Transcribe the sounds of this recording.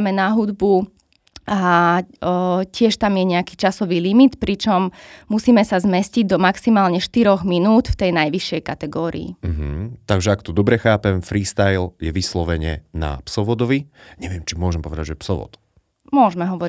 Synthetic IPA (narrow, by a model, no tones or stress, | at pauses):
mɛnaɦud̪bu | a | cɪɛʃt̪amjɛɲɛakiːt͡ʃasɔʋiːlimit̪pɾit͡ʃɔmmusiːmɛsazmɛsciɟd̪ɔmaksimaːlɲɛʃt̪iɾɔɣminuːt̪ft̪ɛjnajʋiʃːjɛjkat̪ɛɡɔːɾḭḭm̩ɦ̩t̪aɡʒɛakt̪ɔd̪ɔbɾɛxaːpɛmfɾiːst̪ajljɛʋislɔʋɛɲɪɛ̰na̰psɔʋɔd̪ɔʋiɲɛʋɪɛmt͡ʃimʊɔʒɛmpɔʋɛd̪aɟʒɛpsɔʋɔ̰t̪ | mʊɔʒmɛɦɔʋɔɾi